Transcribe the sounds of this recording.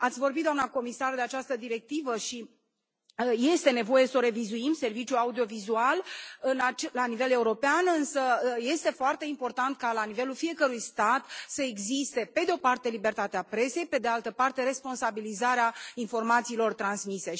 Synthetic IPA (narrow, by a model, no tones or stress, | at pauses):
at̪sʲvo̞rbit̪d̪oanako̞misard̪e̞at͡ʃast̪əd̪iɾe̞k̚t̪ivəʃi | je̞st̪e̞ne̞vo̞je̞so̞ɾe̞vizuimse̞rvit͡ʃjuaud̪io̞vizualɨnat͡ʃlanive̞le̞uɾo̞peanɨnsəje̞st̪e̞foart̪e̞impo̞rt̪ant̪̚kalanive̞lulfije̞kəɾujst̪at̪səe̞ɡzist̪e̞pe̞d̪eo̞part̪e̞libe̞rt̪at̪eapɾe̞se̞jpe̞d̪ealt̪əpart̪e̞ɾe̞spo̞nsabilizaɾeainfo̞rmat̪siːlo̞rt̪ɾansmise̞